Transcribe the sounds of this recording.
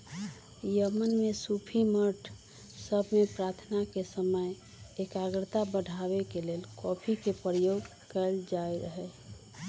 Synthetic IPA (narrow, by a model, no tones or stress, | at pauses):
jəmənmesupʰiməɾʈʰ | səbʱmepɾaːt̪ʰnakesəməj | ekaɡɾt̪abəɖʱabekelelkɔpʰikepɾəjoɡ | kəld͡ʒajɾəɦə